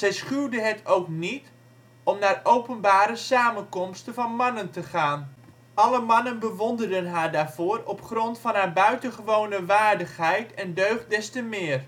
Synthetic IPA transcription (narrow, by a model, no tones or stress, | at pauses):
z̥ɛjsχydəɦətʰowknit | ɔmnaːrowpənbaːɾəsaːmənkɔmstənvɑnmɑnəntəχaːn | ɑləmɑnənbəʋɔndərdənɦaːɹdaːrv̥oːrɔpχrɔntfɑnɦaːbœɥtəχəʋoːnəʋaːrdəχhɛjtɛndøɥχ̚dɛstəmɪːr